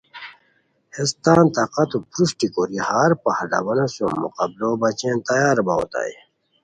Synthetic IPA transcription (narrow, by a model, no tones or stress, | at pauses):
hest̪ãːnt̪aqɐt̪upɾusʈikoɾihaːɾpahlɐ̰bɐnosjommːṵqɐbloːbɐt͡ɕẽːnt̪ɐjaːɾbao̰t̪a̰i